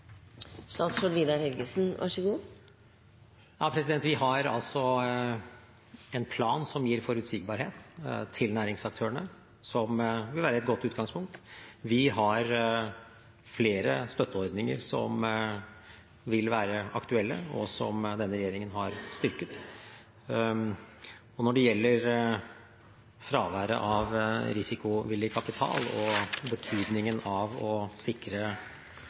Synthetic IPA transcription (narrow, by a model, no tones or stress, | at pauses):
st̪ɑːt̪sfɔʋiːd̪ɑɾhɛlɡəsnʋʔɑ̰ʂəɡuːn | jɑːpʰɾɛsɪd̪ɛnt̪ʋɪɦɑɾɑ̰lt̪sɔ | ɛnpʰlɑːnsɔmjiːɾfɔɾʉt̪sɪːɡ̚bɑːɾheːt̪t̪ʰɪlnæːɾɪŋsɑk̚t̪ʰøːəɳə | sɔmʋɪlʋæːɾəɛt̪ɡɔt̪ːʉːt̪̚ɡɑŋspʰʊŋk̚t̪ʋɪɦɑɾ | fleːɾəst̪œt̪ːəɔɾd̪nɪŋə̰ɾsɔ̰m | ʋɪlʋæːɾəɑ̰kt̪ʉɛlːə̰ɔ̰sɔ̰md̪ɛnːəɾɛjeːɾɪŋənɦɑɾst̪ʏɾkət̪ | ɔnɔɖɛjɛlːəɾ | fɾɑːʋæːɾə̰ʔɑʋɾɪsɪkʊʋɪlːjəkʰɑpɪt̪ʰɑ̰ːlɔbət̪ʰyːd̪nɪŋənɑʋɔsɪkɾə